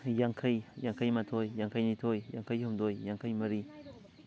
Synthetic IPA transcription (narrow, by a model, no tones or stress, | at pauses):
jaŋkʰɐjjaŋkʰajmatʰojːaŋkʰajnitʰojja̰ŋkʰajɦumdojːaŋkʰajmɐɾi